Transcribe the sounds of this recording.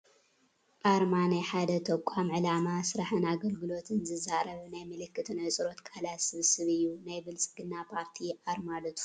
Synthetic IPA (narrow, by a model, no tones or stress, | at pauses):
ʔaɾmanajħad̪ɐt̪ʰɐkʷʼamʕɨlamasɨɾaħɨnaɡɐlɡɨlo̞t̪ʰɨnzɨzaɾɐβnajmɨlɨkːɨt̪ʰɨnajsʼɨɾo̞t̪kʰʼalat̪sɨβsɨβɨjːunajbɨlt͡sʼɨɡɨnːapʰaɾt̪ʰiʔaɾmalɐt̪ʰu̥